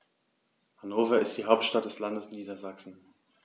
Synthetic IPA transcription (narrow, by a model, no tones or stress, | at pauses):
hanoːfɐɪstd̥iːɦaʊp̚tʃtat̚d̥ɛslandəsniːdɐzaksn̩